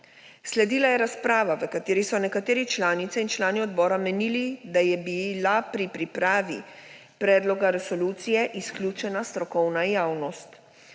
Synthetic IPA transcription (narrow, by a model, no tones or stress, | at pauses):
slɛd̪iːlajɛɾaspɾaːʋaʋəkat̪eːɾisɔnɛkat̪eːɾit͡ʃlaːnit̪sɛint͡ʃlaːniɔd̪bɔːɾamɛnilid̪ajɛbilapɾipɾipɾaːʋi | pɾɛːd̪lɔɡaɾɛsɔluːt̪sijɛʔisklʲjuːt͡ʃɛnast̪ɾɔkɔwnajaːwnɔst̪